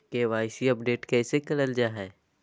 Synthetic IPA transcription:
keʋaːɪsiɐp̚ɖeːʈkɛːsekɐləld͡ʒaːɦɛː

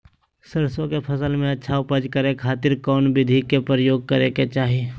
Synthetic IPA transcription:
səɾsõkepʰəsəlmẽɐtːʃʰaʊpəd͡ʒkəɾekʰaːt̪ɪɾkɔːnbɪd̪ʱikepɾəjoːɡ̚kəɾeket͡ʃaːɦie

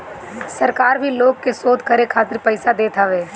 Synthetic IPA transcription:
sɐɾkaːɾbʱiloːɡ̚kesoːd̪ʱkɐɾekʰaːt̪ɪɾpɛɪsad̪eːt̪aʋeː

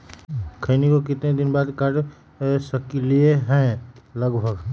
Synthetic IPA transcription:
kʰənikok̬ɪt̪ned̪ɪnbaːd̪kəʈ | səklieɦɛ̃lɐɡbʱəɡ

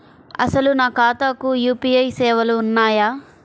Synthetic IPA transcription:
ɐ̰sɐlunaːkaːt̪aːkujuːpiːɐjsɛːʋɐluːnːaːjaː

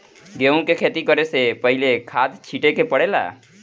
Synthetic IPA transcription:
ɡeũkekʰet̪ikəɾesepəɦilekʰad̪t͡ʃʰiʈekepəɽela̰

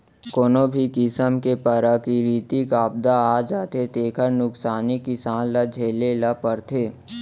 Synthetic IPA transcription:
koːnobʱikɪsəmkepəɾakiɾiːt̪ikaːb̚d̪aaːd͡ʒaːt̪ʰet̪eːkʰəɾnʊksaːnikɪsaːnlad͡ʒʱeːlelapəɾt̪ʰeː

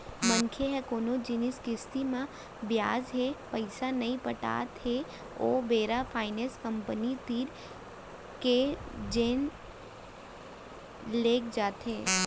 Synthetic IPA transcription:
mə̃nkʰeɦɛkoːnod͡ʒɪnɪskɪst̪imã | bjaːzɦepɐɪsanɐɦĩpɐʈa̰ːt̪ɦe | o̰ːbeːɾapʰaːɪnẽːskə̃mpənit̪iːɾ | ked͡ʒeːn | leːkd͡ʒaːt̪ɦẽː

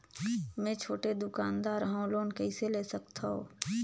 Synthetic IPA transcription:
mɛ̃ːt͡ʃʰoːʈed̪ʊkaːnd̪aːɾɦãoloːnkɛɪseleːsəkt̪ʰaɦo̰ː

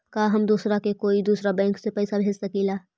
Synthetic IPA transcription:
kaːɦɐmd̪uːsɾakekoːid̪uːsɾabɛ̃ːŋksepɛɪsabʱeːd͡ʒsəkilaː

